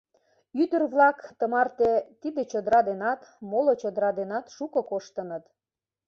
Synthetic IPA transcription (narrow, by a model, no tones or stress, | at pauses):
yd̪ərβlɑkt̪əmɑrt̪et̪id̪et͡ɕod̪əɾɑd̪enɑt̪molot͡ɕod̪əɾɑd̪enɑt̪ʃukɤkoʃt̪ə̆nət̪